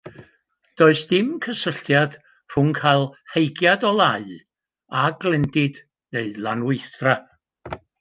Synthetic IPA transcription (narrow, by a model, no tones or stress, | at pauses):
d̥oːɨsd̥ɪmkʰəsəɬtjad̥ | r̥ʊŋkʰajlˠhejɡjadɔlˠaɨ | aɡlˠɛndɪd̥ | neɨlˠanwɪɨθra